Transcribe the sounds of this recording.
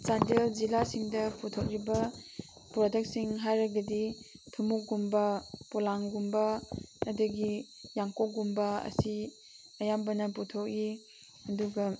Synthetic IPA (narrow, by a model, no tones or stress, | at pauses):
t͡ʃandelzilasiŋdɐputʰok̚ɾibɐ | pɾɔdek̚siŋɦajɾɐɡɐditʰumuk̚ɡumbɐpɔlaŋɡumbɐːdɐɡijaŋkok̚ɡumbɐɐ̰si | ɐjambɐnɐputʰok̚i | ɐduɡɐ